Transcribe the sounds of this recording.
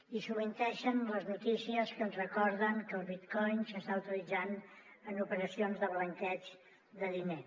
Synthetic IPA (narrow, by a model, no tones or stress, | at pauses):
isuβint̪ɛʃənləznut̪isiəskənzrəkɔɾðəŋkəlˠβit̪kɔjnsəst̪awt̪ilid͡zan | ənupəɾəsionzðəβləŋkɛt͡ʃ | ðəðine